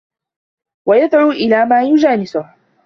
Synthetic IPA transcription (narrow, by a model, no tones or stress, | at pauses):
wajad̪ʕuːʔɪlaːmaːjʊd͡ʒaːnɪsʊh